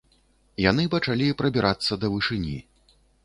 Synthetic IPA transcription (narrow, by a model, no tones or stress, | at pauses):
janɨpɐt͡ʂalʲipɾɐbʲiɾʔat̪sːɐd̪ɐvɨʂɨnʲḭ